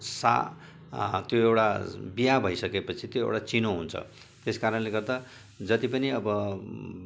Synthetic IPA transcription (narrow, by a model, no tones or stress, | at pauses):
sa̰ | t̪joewʈabijabʱʌjsʌkepʌt͡sʰit̪joḛwʈat͡sinoɦunt͡sʰʌ̰ | t̪eskaɾʌnleɡʌrd̪a | d͡zʌt̪ipʌniʌbʌ